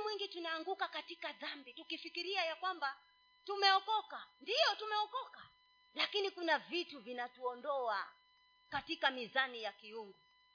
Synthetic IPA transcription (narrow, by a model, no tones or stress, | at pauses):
mwiŋɡitunaːŋɡukakatikaðambitukifikiɾiajakwamba | tumɛɔkɔkandijɔtumɛɔkɔka | lakinikunavituvinatuɔndɔa | katikamizanijakiuŋɡu